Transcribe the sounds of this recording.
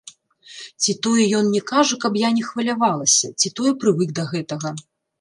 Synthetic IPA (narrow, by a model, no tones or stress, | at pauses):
t͡sʲit̪ɔjɛjɔnnʲɛkaʐɐkɐbjanʲɛxvɐlʲavalˠɐsʲɐt͡sʲit̪ɔjɛpɾɨvɨɡd̪ɐɣɛt̪ɐɣɐ